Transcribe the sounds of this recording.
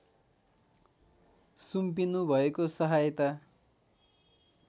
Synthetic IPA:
sumpinubʱʌekosʌɦajt̪a

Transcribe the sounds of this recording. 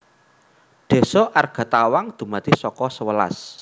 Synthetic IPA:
ɖ̪̥e̤sɔʔarɡ̥ä̤t̪awaŋd̪̥ṳmat̪isɔkɔsəwəla̰s

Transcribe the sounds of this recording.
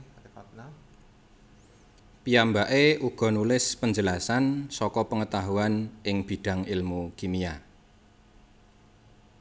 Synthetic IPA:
piambaʔeuɡ̥ɔ̤nulɪspəɲd͡ʒəlasansɔkɔpəŋət̪aɦuanɪŋb̥i̤ɖ̥ä̤ŋɪlmukimia

